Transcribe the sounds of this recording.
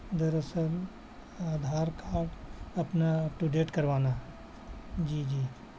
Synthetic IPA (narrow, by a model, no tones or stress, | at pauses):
d̪ɐɾəsəl | aːd̪ʱaːɾkʰaːʈɐpnaʈuɖeːʈkɐɾʋaːna | d͡ʒiːd͡ʒiː